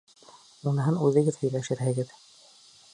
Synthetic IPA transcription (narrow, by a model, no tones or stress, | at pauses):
unɤ̆ɦɤnʉðɘ̆ɡɘðhɵ̆jlæʃɘ̆ɾhɘ̆ɡɘð